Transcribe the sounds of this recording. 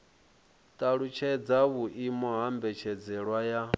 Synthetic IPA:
t̪ʼaɺut͡ʃʰɛd͡zaβuʔimɔɦambɛt͡ʃʰɛd͡zɛɺwaja

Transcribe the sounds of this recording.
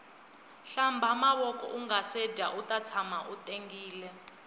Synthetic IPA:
ɬambʱamaɓɔkʼɔ̰ʔuŋasɛdʱa̰ʔutʼat͡sʰamaʔutʼeŋɡiːlɛ

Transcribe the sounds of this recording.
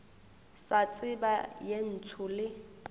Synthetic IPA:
sat͡sʼɪbajen̩t͡sʰʊlɪ

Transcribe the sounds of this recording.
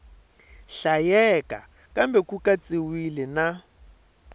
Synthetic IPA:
ɬajɛkʼa̰ | kʼambɛkʼukʼat͡sʼɪwilɪna

